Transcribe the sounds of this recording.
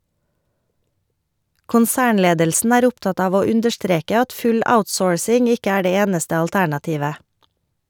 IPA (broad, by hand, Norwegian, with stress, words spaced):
kʊnˈsæːɳˌleːdəlsn̩ ˈæːɾ ˈʊpˌtɑt ˈɑːʋ ˈoː ˈʉndəʃˌtɾeːkə ˈɑt ˈfʉl ˈaʊtˌsoːɹsɪŋ ˈɪkə ˈæː ˈdeː ˈeːnəstə ɑlˈtæɳɑˌtiːʋə